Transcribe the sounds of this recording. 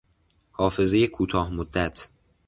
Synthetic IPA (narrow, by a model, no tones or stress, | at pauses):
hɒːfe̞ze̞jekʰuːt̪ʰɒːhmod̪ːæt̪ʰ